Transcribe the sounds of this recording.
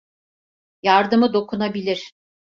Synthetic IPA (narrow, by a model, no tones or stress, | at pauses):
jaɾd̪ɯmɯd̪o̞kʰunabilʲiɾ̥